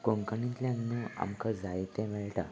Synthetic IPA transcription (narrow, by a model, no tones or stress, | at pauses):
koŋkənĩt̪ljãnnua̰mkəd͡zajt̪ɛ̃ʋɛɭʈa